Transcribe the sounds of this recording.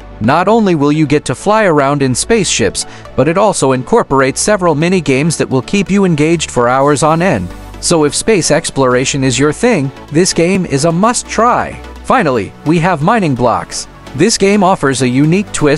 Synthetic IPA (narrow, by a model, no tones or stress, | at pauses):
nəɾõʊ̃nliwɪlˠjɨɡɛtʰɨflaɪə˞ãʊ̃ndɨ̃nspeɪsʃɪps | b̥ʌɾɨɾɔlˠsoʊɨ̃nkʰɔɹpə˞eɪtsɛvɹl̩ˠmɛñiɡẽɪ̃mzðɨʔ̚wʔɪlˠkʰipjɨɨ̃nɡeɪd͡ʒd̥fə˞aʊə˞zn̩ɛ̃nd̥ | soʊɨfspeɪsɛksplə˞eɪʃɨ̃nɨzjə˞θɪ̃ŋ | ðɪsɡ̥ẽɪ̃mɪ̰zəmʌstʰɹ̥aɪfãɪ̃nl̩ˠḭwiəvmãɪ̃nɪ̃ŋblɑ̰ks | ðɪsɡ̥ẽɪ̃mɔfə˞zɨjʉnik̚tʰw̥ɪ